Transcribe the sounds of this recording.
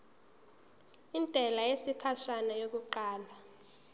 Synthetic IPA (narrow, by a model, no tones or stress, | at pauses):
intʼɛlajesikʰaʃanajok̬uǃaːlwa